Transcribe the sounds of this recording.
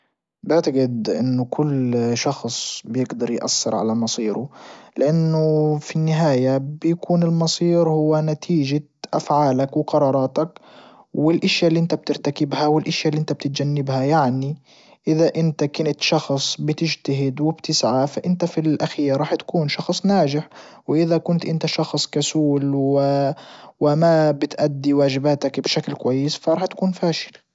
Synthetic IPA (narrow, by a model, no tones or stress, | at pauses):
bɪʕt̪aɡɪd̪ʔɪ̰nːʊkʰʊlːʃɑxsˤbɪjɪɡd̪ɑɾˤjʔa̰sːɪɾʕa̰lamɑsˤiːɾʊlɪʔanːʊfinːɪɦaːjabjakuːnɪlmɑsˤiːɾhʊwːanat̪ʰiːʒa | ʔa̰fʕaːlakwɪqɑɾˤɑːɾˤɑːt̪ak | wɪlʔaʃjalːiːʔɪnt̪ab̚t̪ɪɾt̪akɪbhawɪlʔaʃjalːiʔɪnt̪ab̚t̪ɪt̪̚d͡ʒanːɪbhajaʕni | ʔɪðaʔɪnt̪akɪnɪt̪ʃɑxsˤbɪt̪ɪd͡ʒt̪aɦɪd̪wɪbt̪ɪsʕafaʔɪnt̪afilʔaxiːɾɾˤɑːħt̪ḁkuːnʃɑxsˤnaːd͡ʒɪħ | wɪʔɪðakʊnt̪ʔɪnt̪aʃɑxsˤkasuːlwɪ | wɪmabɪt̪ʔad̪ːiwaːʒɪbaːt̪akbʃaklkwajːɪsfaɾˤɑːħt̪ḁkuːnfaːʃɪ̥l